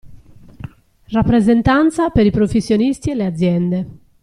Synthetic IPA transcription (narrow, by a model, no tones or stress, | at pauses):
rapːɾezent̪ant̪sapeɾipɾofesːjonist̪iɛlead̪zːjɛnd̪e